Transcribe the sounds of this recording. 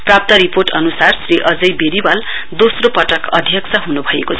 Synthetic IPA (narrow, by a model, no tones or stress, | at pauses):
prap̚t̪ʌɾiporʈʌnusarsriʔʌd͡zʌjbeɾibal | d̪osropʌʈʌkʌ̰d̪ʱjʌksʰʌɦunubʱʌjekot͡sʰ